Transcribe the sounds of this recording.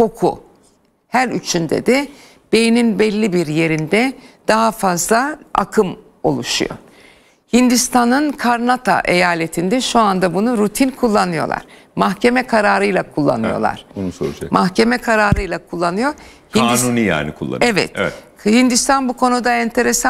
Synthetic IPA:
kʰo̞kʰṵ | hæɾyt͡ʃʰynd̪ɛ̰d̪ɛ | b̥ejininbɛlʲːibiɾje̞ɾind̪ɛd̪̥aɦafazlˠaa̰kʰɯm | o̞̰lˠuʃṵjo̞̰ | hind̪ist̪ʰanɯnkʰaɾnat̪ʰa̰ʔe̞jaːlʲe̞t̪ʰind̪ɛʃuand̪abunuɾut̪ʰinkʰulˠːanɯjo̞̰lˠa̰ɾ̥ | maxce̞mɛkʰaɾaːɾɯjlˠakʰulˠːa̰nɯ̰jo̰lˠa̰ɾ̥nusolˠd͡ʒa̰mʔaxcʰe̞mɛkʰaɾaːɾɯjlˠakʰulˠːanɯjo̞ɾ | hkinad̪inunija̰ːnḭkʰulˠːa̰ɛvɛ̰t̪ | hind̪ist̪ʰanbukʰo̞nud̪aɛnt̪ʰe̞ɾesa

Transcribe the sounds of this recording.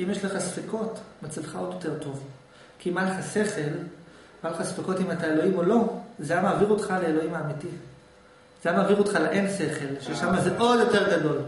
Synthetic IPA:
imjeʃleχasfeko̞tmat͡silχao̞djo̞te̞ʁto̞v | kiimaleχase̞χe̞l | aleχasfeko̞timataelo̞imo̞lo̞zeamaːviʁotχaleelo̞imaːmiti | zeamaːviʁo̞tχaleʔense̞χe̞lʃeʃamazeʔo̞djo̞te̞ʁɡado̞l

